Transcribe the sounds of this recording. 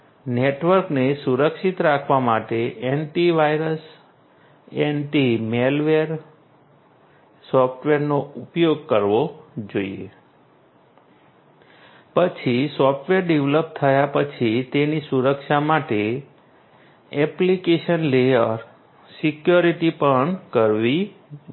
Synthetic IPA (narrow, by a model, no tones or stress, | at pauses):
neʈʋəɾknesuɾəkʃit̪ɾakʰʋamaʈeʔenʈiʋajɾəs | enʈimelʋeɾ | sɔfʰʈʋeɾnoupjoɡ̚kəɾʋod͡ʒoḭḛ | pət͡ʃʰisɔfʈʋeɾɖeʋləp̚t̪ʰəjapət͡ʃʰit̪enisuɾəkʃamaʈe | ɛplikeʃənlejəɾ | sikjoɾiʈipəɳkəɾʋi